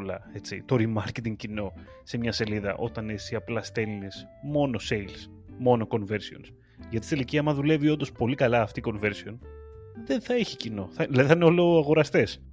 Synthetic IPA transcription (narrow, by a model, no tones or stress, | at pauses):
lɐ̰e̞t͡sḭt̪o̞ɾimɐɾcet̪iŋɡ̚cino̞ | se̞mɲɐse̞liðɐ̰ʔo̞t̪ɐnesiɐplɐst̪e̞lnis | mo̞no̞se̞jls | mo̞no̞ko̞nve̞ɾsio̞̰ns | ʝɐt̪ist̪eliciɐmɐðule̞vio̞nd̪ospo̞likɐlɐːft̪iko̞nve̞ɾsio̞n | ðe̞nθɐeçicino̞θɐlɐðiθɐineo̞loɐɣo̞ɾɐst̪e̞s